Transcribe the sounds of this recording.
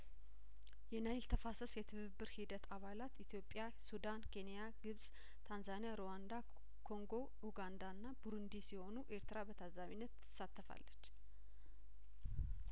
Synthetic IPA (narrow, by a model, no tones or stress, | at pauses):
jɛnajɪlt̪ʰəfasəsjɛt̪ʰɨβɨbːɨɾhid̪ət̪ʰaβalat̪it̪ʰjo̞pʼːja | sud̪ankʰe̞nijaɡɨβsʼ | t̪ʰanzanijaɾowand̪a | kʰo̞ŋɡo̞ | uɡand̪anːabuɾɨnd̪isiho̞nuʔe̞ɾt̪ʰɨɾabət̪ʰazʼaminːət̪ɨ̥sat̪ːəfa̰lːət͡ʃː